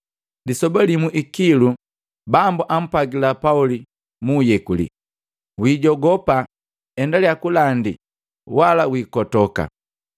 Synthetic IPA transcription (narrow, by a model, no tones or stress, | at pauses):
lisɔbalimuʔikilu | bambuʔam̩paɡilapauli | mujɛkulḭ | wiːɟɔɡɔpa | ɛndaljakulandi | walawiːkɔtɔka̰